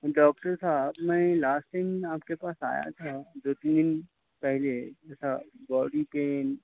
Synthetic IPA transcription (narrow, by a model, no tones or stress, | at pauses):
ɖɔːk̚ʈəɾsaːbmɛ̃ːlaːsʈʈaɪmaːp̚kepaːsa̰ːja̰t̪ʰad̪oːt̪iːnd̪ɪn | pɛɦleɛːsabɔːɖipeːn